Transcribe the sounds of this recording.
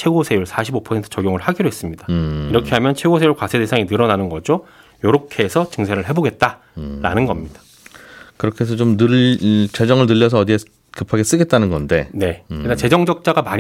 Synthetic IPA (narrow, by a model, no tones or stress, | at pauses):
t͡ɕʰe̞ɡosʰe̞juɭsʰaɕʰibopʰʌentʰɯ̥t͡ɕʌɡjoŋɯɭhaɡiɾoɦe̞s͈ɯmɲidaiɾʌkʰe̞ɦamjʌnt͡ɕʰwe̞ɡosʰejuɭkwasʰede̞sʰaŋinɯɾʌnanɯnɡʌd͡ʑo | joɾokʰe̞sʰʌt͡ɕɯŋsʰeɾɯɭɦe̞boɡe̞t̚t͈a | ɾa̰nɯnɡʌmɲidḁ | kɯɾʌkʰes̬ʰʌt͡ɕomnɯt͡ɕe̞d͡ʑʌŋɯɭnɯʎːʌs̬ʰʌːdie | kɯpʰaɡe̞s͈ɯɡe̞t̚t͈anɯnɡʌnde̞ne̞kɯdat͡ɕe̞d͡ʑʌŋd͡ʑʌk̚t͡ɕ͈aɡamaɲ